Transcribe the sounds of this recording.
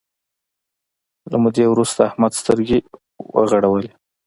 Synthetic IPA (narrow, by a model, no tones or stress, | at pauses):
lamud̪ewɾust̪aːhmad̪st̪əɾɡe | wə̰ɣaɽawəle